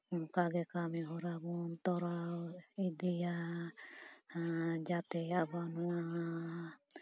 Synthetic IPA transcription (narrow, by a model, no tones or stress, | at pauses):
ukaɡɛkamiɦɔɾabɔnt̪ɔɾawid̪ɛja | d͡ʒat̪ɛabanua